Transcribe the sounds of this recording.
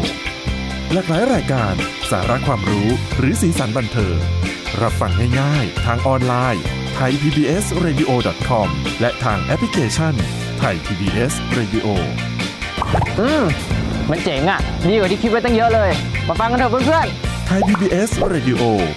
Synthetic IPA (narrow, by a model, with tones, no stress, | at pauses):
laː˨˩k̚laː˩˦jɾaː˧jkaː˧nsa̰ː˩˦ɾa˦˥kʰwaː˧mɾuː˦˥ɾɯː˩˦siː˩˦sa˩˦nba˧nt̪ʰɤː˧ŋ | ɾa˦˧p̚fa˧˩ŋha˥˩jŋaː˥˩jt̪ʰaː˧ŋʔɔː˧nlaː˧j | t̪ʰa˧jp̪ʰiː˧biː˧ʔe˦˥sɾeː˧diː˧ʔoː˧dɔ˨˩t̪̚kʰɔ˧mlɛ˦˥ʔt̪ʰaː˧ŋʔɛ˦˥pʰli˦kʰeː˧t͡ɕʰa˥˩n | t̪ʰa˧jt̪ʰiː˧biː˧ʔe˦˥sɾeː˧di˧ʔoː˧ | ʔɯː˧˩mma˧nt͡ɕe˨˩˦ŋʔa˧˩diː˧kwa˨˩t̪i˧kʰi˦˥t̚wa˥˩t̪ɔ˥˩ŋjɤ˦˥ʔlɤː˧jmaː˧fa˧ŋka˧nt̪ʰɤː˧˩pʰɯ˥˩npʰɯ˥˩ənt̪ʰa˧jpʰiː˧biː˧ʔe˦˥sɾeː˧di˧ʔoː˧